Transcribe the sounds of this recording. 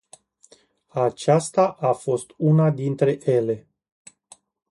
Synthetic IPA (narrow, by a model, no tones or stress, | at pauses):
at͡ʃast̪aʔafo̞st̪unad̪int̪ɾe̞ʔje̞le̞